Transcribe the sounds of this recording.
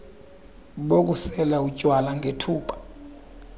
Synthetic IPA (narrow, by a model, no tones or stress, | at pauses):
ɓok̬ʼusɛlaucʼwalaŋʱetʰuːǃḁ